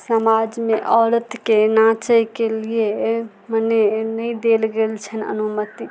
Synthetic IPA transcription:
səmad͡ʒmeʔɔɾət̪kenat͡ʃəjkelije | mənenəjd̪elɡelt͡ʃʰənə̰numət̪i

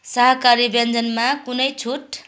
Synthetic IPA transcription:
sʌɦʌkaɾibend͡zʌnmakunʌjt͡sʰuʈ

